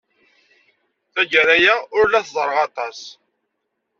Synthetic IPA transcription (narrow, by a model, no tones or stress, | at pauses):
θæɡəɾæjæʊɾlæθzˤɾˤəʁɑt̪ˤɑs